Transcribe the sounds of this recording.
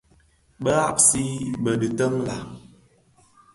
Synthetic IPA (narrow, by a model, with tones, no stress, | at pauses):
bə˦ɣa˦p̚si˦bə˨də˨tə˦mla˨